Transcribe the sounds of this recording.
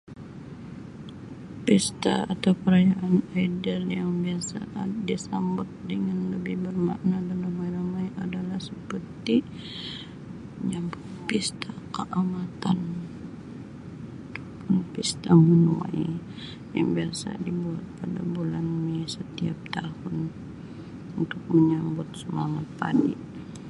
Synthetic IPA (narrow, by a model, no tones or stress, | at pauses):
pist̪a̰at̪awpəɾajaʔanaidəljaŋbiasa̰disambʊt̪̚dəŋanləbɪhbərma̰ʔnadanlamajɾamajadalahsəpərt̪i | ɲampist̪akəʔamat̪an | t̪ʊpʊnpist̪amənua̰j | ja̰ŋbiasa̰dibuat̪̚pada̰bulanmisət̪iap̚t̪ahʊn | unt̪ʊk̚məɲambʊt̪̚səmaŋat̪̚pa̰diʔ